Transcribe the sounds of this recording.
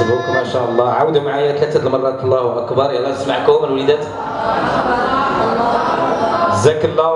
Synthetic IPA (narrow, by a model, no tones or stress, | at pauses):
bukmæʃæʔlˤːɑʕawd̪amaʕajækæt̪əd̪əlmɑrˤːɑt̪lˤːæhwʔækbɑɾˤjælːæt̪əsmaʕkʊməlwlid̪æt̪ | dəzækəlːæ